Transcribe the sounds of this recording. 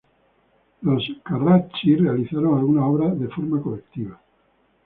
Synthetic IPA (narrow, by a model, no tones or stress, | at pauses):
loskarat͡ʃirealiθaɾoŋalunaɔβɾaðefoɾmakolekt̪iβa